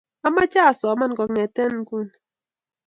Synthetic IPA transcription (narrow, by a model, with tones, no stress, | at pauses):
a˦ma˦t͡ʃa˦˨sɔ˨˦ma˦n˨kɔ˨ŋɛ˨tɛ˦n˦ku˦˨n